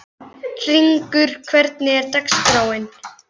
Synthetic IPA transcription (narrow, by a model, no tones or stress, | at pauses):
r̥iŋkʏɾ̥kʰvɛɾt̪nɪɛɾt̪akskɾaːwɪn